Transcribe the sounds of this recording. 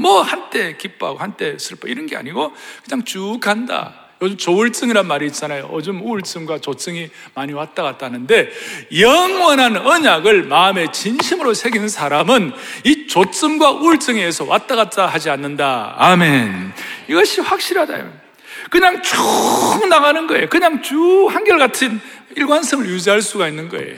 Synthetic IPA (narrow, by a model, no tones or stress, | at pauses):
mwʌhant͈e̞kip͈ʰa̰ɡohant͈e̞sʰɯɭpʰaiɾʌnɡe̞a̰ɲiɡokɯɲaŋt͡ɕukʰanda̰ | jod͡ʑɯmt͡ɕouɭt͡s͈ɯŋiɾanmaɾiːt̚t͡ɕ͈anajo̰ʌd͡ʑɯmuɭs͈ɯmɡwat͡ɕos͈ɯŋimaɲiwat͈aɡat͈̚anɯnde̞jʌŋwʌnɦanʌɲaɡɯɭmaɯme̞t͡ɕinɕʰimɯɾosʰe̞ɡinsʰaɾamɯnit͡ɕot̚s͈ɯmɡwaʔuɭt͡ɕ͈ɯŋeːsʰʌwʔat͈̚aɣat̚t͈ahad͡ʑianːɯnda̰ːme̞niɡʌɕʰiɸwak̚ɕ͈iɾɦada̰jo̰ | kɯɲaŋt͡ɕuŋnaɣanɯnɡʌje̞jokɯɲaŋt͡ɕuhanɡjʌɭɡatʰɯniɭɡwansʰɯmɯɭjud͡ʑiɦaɭs͈uɡainːɯnɡʌ̰ḛjo